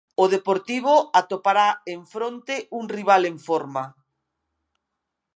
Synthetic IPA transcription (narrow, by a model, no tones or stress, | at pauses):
oðepoɾt̪iβ̞oat̪opaɾaeɱfɾont̪eʔuŋriβ̞aleɱfoɾma